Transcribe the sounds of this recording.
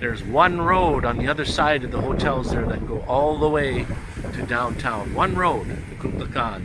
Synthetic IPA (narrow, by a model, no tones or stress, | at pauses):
ðə˞zwʌ̃nɹoʊɾ̃n̩ðiʌðə˞saɪɾʌvðəhoʊtʰɛlˠzðə˞ðɨt̚ɡ̥oʊʔɔlˠðəweɪ | ɾɨdãʊ̃ntʰãʊ̃nwʌ̃nɹoʊdɨkʰukləkʰɑ̃n